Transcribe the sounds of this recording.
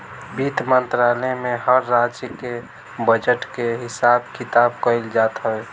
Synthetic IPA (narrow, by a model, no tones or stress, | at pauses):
bit̪mənt̪ɾalemẽɦəɾːad͡ʒəke | bəd͡ʒəʈkeɦɪsab̚kʰit̪abkəɪld͡ʒat̪ɦəe